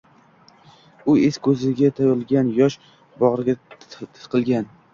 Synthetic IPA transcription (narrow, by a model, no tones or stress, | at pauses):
ʊeskʰɵzɪɡʲat̪ʰajɒɾɪlˠɡʲanjɒʃ | bɒʁɾɪɡʲat̪ʰɪ̥t̪qʰɨlˠɡʲan